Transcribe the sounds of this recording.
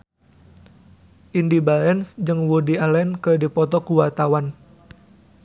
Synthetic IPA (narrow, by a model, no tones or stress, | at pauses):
ʔindibalɛnsd͡ʒɨŋwudialɛnkərdipɔt̪ɔkuwart̪awan